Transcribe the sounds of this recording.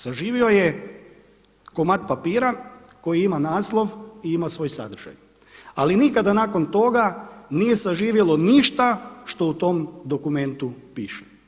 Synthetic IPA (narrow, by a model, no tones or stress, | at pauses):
saʒiːʋio̞je | komat̪̚papiːɾako̞jiimanaːslˠo̞ʋiimasʋo̞ːjsa̰d̪r̩ʒ̥a̰j | alinikad̪anaːko̞nt̪o̞ɡanije̞saʒiːʋjelo̞niʃt̪aʃt̪o̞ut̪o̞md̪o̞kume̞nt̪upiːʃe̥